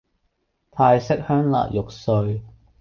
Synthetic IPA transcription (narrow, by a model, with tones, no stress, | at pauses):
t̪ʰaː˧jsɪ˥k̚hœː˥ŋla̰ː˨t̚jʊ˨k̚sɵ˧ɥ